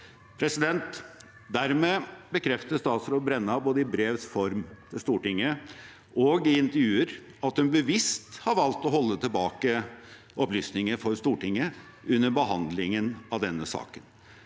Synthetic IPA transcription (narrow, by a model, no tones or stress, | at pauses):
pʰɾɛsɪd̪ɛnt̪ | d̪æɾmeːbəkʰɾɛft̪əst̪ɑːt̪sɾoːbɾɛnːɑboːd̪əɪbɾeːʋsfɔɾmt̪ʰɪlst̪uːʈɪŋːə | ʔɔɡɪɪnt̪əɾjʉːəɾ | ɑt̪hʉnbəʋɪst̪hɑɾʋɑlt̪ɔɦɔlːət̪ʰɪlbɑːkə | ʔɔplyːsnɪŋəfɔɾst̪uːʈɪŋːə | ʉnːəɾbəɦɑnd̪lɪŋənɑʋd̪ɛnːəsɑ̰ːkən